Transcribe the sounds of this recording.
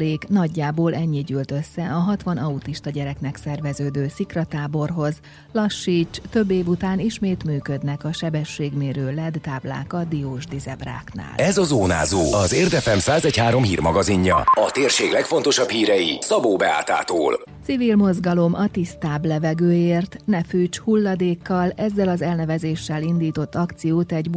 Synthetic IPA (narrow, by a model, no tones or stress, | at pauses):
leːknɒɟːaːboːlɛɲːiɟyːlt̪ø̞sːɛʔɒɦɒt̪ʋɒnɒut̪iʃt̪ɒɟɛɾɛknɛksɛrvɛzøːd̪øːsikrɒt̪aːbo̞rɦo̞z | lɒʃːiːt͡ʃt̪ø̞bːeːvut̪aːniʃmeːt̪myːkø̞d̪nɛkɒʃɛbɛʃːeːɡmeːɾøːlɛd̪t̪ːaːbla̰ːkɒd̪ioːʒd̪izɛbra̰ːkna̰ːlɛzɒzoːna̰ːzoːɒzeːrd̪ɛfɛmsaːzɛchaːɾo̞mɦḭːrmɒɡɒziɲːɒ̰ɒt̪eːrʃeːɡlɛkfo̞nt̪oʃɒphiːɾɛjisɒboːbɛa̰ːt̪a̰ːt̪o̰ːlsivilmo̞zɡɒlo̞mɒt̪ist̪aːblɛvɛɡøːjeːrt̪nɛfyːt͡ʃhulːɒd̪eːkːɒlɛzːɛlɒzɛlnɛvɛzeːʃːɛlind̪iːt̪o̞t̪ːɒkt̪sijoːt̪ɛɟ